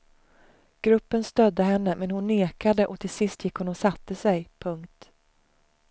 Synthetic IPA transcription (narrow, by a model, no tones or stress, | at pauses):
ɡ̥ɾɵpːənst̪œd̪ːəɦɛnːəmɛnhʊnːeːkad̪əʔɔt̪ʰɪlsɪst̪jɪkːhʊnːɔsat̪ːəsɛjpʰɵŋkt̪